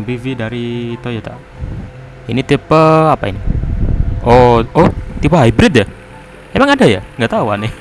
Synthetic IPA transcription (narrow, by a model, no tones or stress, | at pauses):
bividaɾit̪ojat̪a̰ | init̪ipəapaḭni | oot̪ipəɦajbɾɪt̪̚ja | emaŋadaja̰ŋɡaʔt̪auanɪ